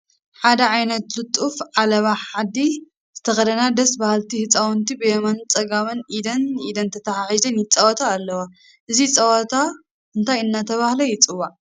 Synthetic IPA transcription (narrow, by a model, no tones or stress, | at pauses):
ħad̪ɐʕajnɐt̪lɨt̪ʼufʕalɐβaħħad̪i | z̥ɨt̪ʰɐxɐd̪ɐnad̪ɐsbahalt̪ʰihɨt͡sʼawnt̪ʰibɨjɛmɐnt͡sʼɐɡamɐnʔid̪ɐnid̪ɐnt̪ʰɐt̪ʰaħaħizɐnjɪt͡sʼɐwɔt̪ʰaːlːɐwa | ʔɨzit͡sʼɐwɔt̪ʰa | ʔɨnt̪ʰajɨnːat̪ʰɐβahlɐjɪt͡sʼɨwːaʕ